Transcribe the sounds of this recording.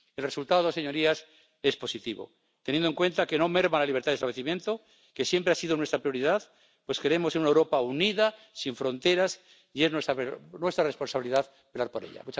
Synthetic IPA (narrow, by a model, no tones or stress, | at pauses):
elresult̪aðoseɲo̞ɾias | e̞spo̞sit̪iβo̞̰ | t̪enjend̪oeŋkwe̞nt̪ake̞no̞me̞ɾβanlaliβ̞ɾt̪aðest̪aβleθimjent̪o̞ | ke̞sje̞mpɾeasiðonwe̞st̪ɾapɾjo̞ɾiðað | pwe̞ske̞ɾe̞mo̞senunaewɾo̞pauniða | siɱfɾo̞nt̪e̞ɾas | ie̞znwesanwe̞st̪ɾarespo̞nsaβiliðað | pelaɾpo̞ɾḛʎa̰mut͡ʃ